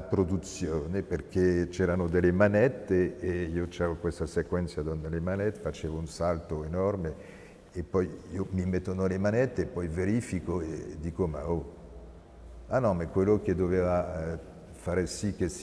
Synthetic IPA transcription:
apɾod̪ut̪sjoːneperk̟et͡ʃɛɾanod̪elːemanɛt̪ːeːiot͡ʃɛvokwest̪asekwɛnt̪sjad̪ond̪elemanɛt̪efat͡ʃevounsalt̪oenɔrmeː | pːɔjiomimet̪ːonolemanɛt̪ːeːpːɔjveɾifikoed̪ikoma̰o | anɔ̃mekːwelːok̟ed̪oveva | faːɾesik̟ːes

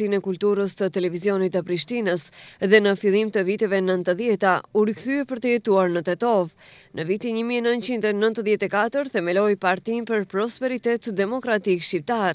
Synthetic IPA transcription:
inɛkult̪uɾəst̪ət̪ɛlɛvizjɔnit̪əpɾiʃt̪inəsðɛnəfilˠimt̪əvit̪ɛvɛnənt̪əðjɛt̪auɾikθyɛpəɾt̪əjɛt̪uaɾnət̪ɛt̪ɔvnʔəvit̪iɲəmiɛnənt͡ɕind̪ɛnənt̪əðjɛt̪ɛkat̪əɾθɛmɛlɔjpaɾt̪inpəɾpɾɔspɛɾit̪ɛt̪d̪ɛmɔkɾat̪ikʃip̚t̪aɾ

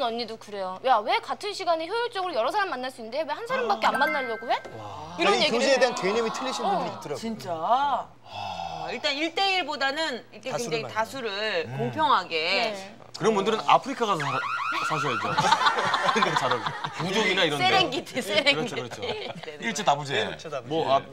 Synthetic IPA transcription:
nʌɲːidokɯɾe̞jojawe̞katʰɯnɕʰiɡaniçjojuɭt͡ɕ͈ʌɡɯɾojʌɾʌs̬ʰaɾamːanːaɭs͈uindewe̞hansʰaɾambak͈eanmanːaʎːʌɡoweiɾʌnjeɡoiedeɦankeɲʌmitʰɯʎːiɕʰinunɯtɯɾt͡ɕint͡ɕ͈a | iɭt͈aniɭt͈e̞iɭbodanɯnikʰekeŋd͡ʑeitasʰuɾɯɭkoŋpʰjʌŋɦaɡe̞ | kɯɾʌnbundɯɾɯna̰pʰɯɾikʰaɣasʰʌasʰas̬ʰʌid͡ʑo̰ | kɯet͡ɕaɾʌokud͡ʑoŋinaiɾʌnsʰeɾeŋɡidesʰeɾeɾɡʰoɾʌt͡ɕʰoeiɭt͡ɕ͈etabud͡ʑemʌa

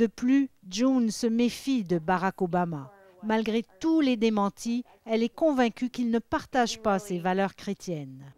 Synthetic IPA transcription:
d̪əplyd͡ʒũnsəmefid̪əbaʁakobama | malɡʁet̪uled̪emɑ̃t̪ʰi | ɛlɛkɔ̃vɛ̃kʲykilnəpaʁt̪aʒpasevalœʁkχet̪jɛn

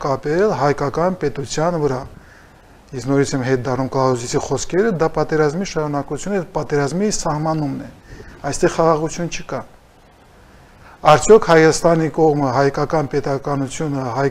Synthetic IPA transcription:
kɑpɛlɦɑjkɑkɑnpɛt̪ut͡sʰjɑnvəɾɑ | jɛsnɔɾit͡sʰɛmɦɛt̪̚d̪ɑrnumklɑɔzisʰiχɔskʰɛɾəd̪ɑpɑt̪ɛɾɑzmiʃɑɾunɑkut͡sʰjunɛpɑt̪ɛɾɑzmisɑhmɑnumnɛɑjst̪ɛʁχɑʁɑʁut͡sʰjunt͡ʃʰəkɑ | ɑɾt͡sʰjɔkhɑjɑst̪ɑnikɔʁməɦɑjkɑkɑnpɛt̪ɑkɑnut͡sʰjunəɦɑj

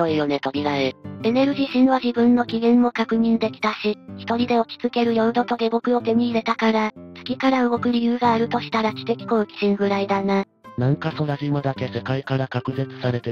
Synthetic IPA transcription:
oijo̞ne̞t̪obʲiɾaee̞ne̞ɾɯ̟ʑiɕĩɰ̃βaʑibɯ̟̃nːo̞kʲiɡẽ̞mːo̞kakɯ̟ɲ̟ĩnd̪e̞kʲi̥t̪aɕiçi̥t̪o̞ɾʲid̪e̞o̞kʲi̥t͡sɨke̞ɾɯ̟jo̞ɯ̟d̪o̞t̪o̞d̪e̞ɡo̞kɯ̟o̞t̪e̞m̟iːɾe̞t̪akaɾat͡sɨ̥kʲikaɾaɯ̟ɡo̞kɯ̟ɾʲijɯ̟ːɡaːɾɯ̟t̪o̞ɕi̥t̪aɾakʲi̥t̪e̞kʲi̥koɯ̟kʲi̥ɕĩŋɡɯ̟ɾaid̪ana | nãŋkaso̞ɾaʑimad̪ake̞se̞kaikaɾakakɯ̟ze̞t͡sɨ̥saɾe̞t̪e

